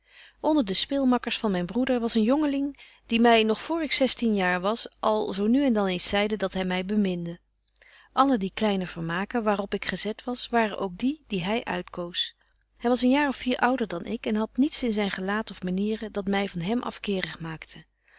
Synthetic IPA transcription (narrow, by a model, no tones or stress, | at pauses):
ʔɔndəɹdəspɪːlˠmɑkəɹsfɑnmɛjnbrudəɹʋɑsənjɔŋəlɪŋ | d̥imɛjnɔχfoːɹɪksɛstinjaːɹʋɑsʔɑlˠzownyɛndɑnejnsɛjdədɑtɦɛjmɛjbəmɪndə | ʔɑlədiklɛjnəvəɹmaːkəʋaːrɔpɪkχəzɛtʋɑsʋaːrənʔowk̚didiɦɛjʔœ̰ɥtkows | ɦɛjʋɑsənjaːɹɔfiːɹʔʌwdəɹdɑnʔɪkɛnɦɑtnitsɪnzɛjnχəlaːtɔfmaniːrədɑtmɛjvɑnɦɛmʔɑ̰fkɪːrəχmaːktʰə